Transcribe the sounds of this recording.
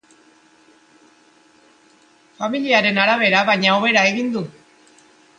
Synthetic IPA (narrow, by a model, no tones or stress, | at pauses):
familiaɾe̞naɾaβ̞e̞ɾaβajɲaoβ̞e̞ɾae̞ɣind̪u